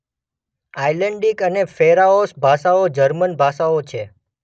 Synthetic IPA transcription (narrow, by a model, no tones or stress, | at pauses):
ajləɳɖikənefeɾaosbʱaʃaod͡ʒəɾmənbʱaʃaot͡ʃʰe